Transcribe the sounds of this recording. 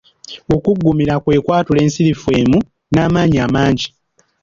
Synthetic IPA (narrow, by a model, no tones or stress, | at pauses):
o̞kuɡːumiɾakwe̞ːkwaːtule̞ːnsiɾifuwe̞ːmu | naːmaːɲiamaːɲɟi